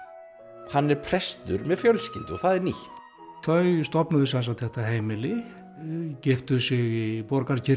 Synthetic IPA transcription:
hanːɛɾpʰɾɛst̪ʏɾmɛðfjœlscɪ̰lt̪ɔɣθaðɛɾniht̪ | θœɥst̪ɔpnaðɪsans̬at̪θɛht̪aɦeːjmɪlɪ | cɪft̪ʏsɪɣipɔɾkaɾcʰɪ

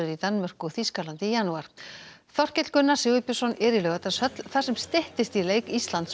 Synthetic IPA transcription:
ʏɾit̪anmœr̥kʏθiskalant̪ɪijanuaɾ̥θɔr̥cɛt̪l̥kʏnːḁsɪːwʏpjʏ̥sɔnɛːɾɪlœɣɛt̪ḁsœt̪lθḁsɛmst̪ɪht̪ɪst̪ileːjkist̪lant̪s

